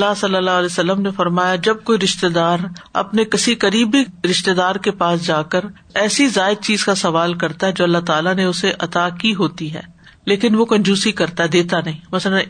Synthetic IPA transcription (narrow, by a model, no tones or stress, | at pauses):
lːasɐlːəlːaɦlɛːsɐlːəmnefɐɾmaːjad͡ʒɐb̚koːiɾɪʃt̪ed̪aːɾɐ̰pnekɪsikɐɾiːbiɾɪʃt̪ed̪aːɾkepaːsd͡ʒaːkəɾ | ɛːsizaːɪd̪̚t͡ʃiːzkasɐʋaːlkɐɾt̪aɦɛd͡ʒoːɐlːaɦt̪aːlanẽʊseʔɐt̪akiɦoːt̪iɦɛ̰ː | leːkɪnʋokɐ̃nd͡ʒuːsikɐɾt̪aɦɛd̪eːt̪anɐɦĩːmɐslən